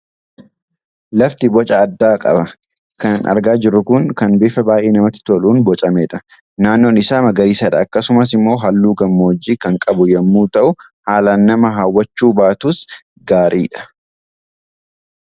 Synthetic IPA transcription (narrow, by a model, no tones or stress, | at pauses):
lɐft̪ɪbɔt͡ʃʼɐːd̪ːaːkʼɐ̰bɐ | kɐnɪnʔɐ̰ɾɡaːd͡ʒɪɾʊkʊŋkɐnbeːfɐbaːjʔeːnɐmɐt̪ːɪ̥t̪oluːnbɔt͡ʃʼɐmeːᶑɐ | naːnːoːnɪsaːmɐɡɐɾiːsɐᶑɐːkːɐsʊmɐs̬ɪmːo̞ːɦɐlːuːɡɐmːoːd͡ʒːiːkɐŋkʼɐbʊjɐmːuːt̪ɐʔʊ | haːlaːnːɐmɐɦɐwːɐt͡ʃːuːbaːt̪uːs | ɡaːɾʔiːᶑɐ̥